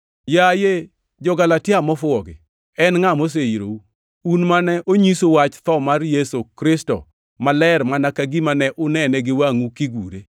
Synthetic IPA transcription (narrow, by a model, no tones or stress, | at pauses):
jaje | d͡ʒɔɡalatɪamɔfʊɔɡɪ̰ | ɛnŋamos̬eiɾo̰u | unmanɛʔoɲisowat͡ʃt̪ɔmarjesokɾɪstɔ̰ | malɛɾmanakaɡimanɛʔʊnɛnɛɡɪwaŋukiɡuɾe